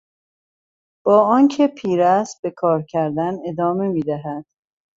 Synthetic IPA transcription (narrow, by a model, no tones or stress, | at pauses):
b̥ɒːɒːncʰepʰiːɾæs̚be̞kʰɒːɾcʰæɾd̪æne̞d̪ɒːme̞miːd̪æɦæd̪̥